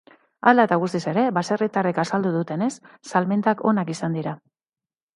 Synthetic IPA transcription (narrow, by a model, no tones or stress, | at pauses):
ald̪at̪aɣ̞ust̪ise̞ɾe̞βaserit̪arekasald̪uðut̪e̞ne̞sːalment̪ako̞̰nakisand̪iɾa